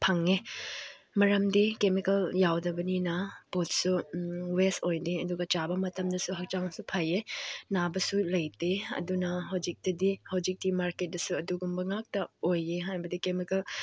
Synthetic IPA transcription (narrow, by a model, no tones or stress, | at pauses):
pʰɐŋe | mɐɾɐmdikemikɐljawdɐbɐninɐpot̚suwestojdeɐduɡɐt͡ʃabɐmɐtɐmdɐsuɦɐk̚t͡ʃaŋsupʰajenabɐsulɐjteɐ̰dunɐɦɐwd͡ʒik̚tɐdihɐwd͡ʒik̚dimaɾket̚dɐsuɐduɡumbɐŋak̚tɐojeɦajbɐdikemikɐl